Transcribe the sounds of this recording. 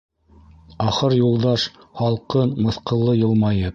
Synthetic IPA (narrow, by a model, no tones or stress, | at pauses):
ɑχɤɾjulˠd̪ɑʃ | hɑlˠqɤnmɤ̆θqɤ̆lˠːɤjɤ̆lˠmɑjɤp